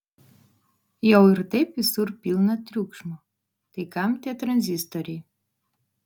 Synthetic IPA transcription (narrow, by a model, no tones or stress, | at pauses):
jawirt̪episurpʲilˠnat̪rʲukʂmɔ | t̪ekamt̪ʲeɛt̪rɐnʲzʲist̪oɾʲi